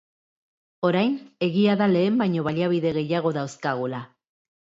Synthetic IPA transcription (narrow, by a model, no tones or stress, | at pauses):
o̞ɾajne̞ɣiaðale̞ːmbajɲo̞βaliaβiðe̞ɣe̞jaɣ̞o̞ðawskaɣ̞ula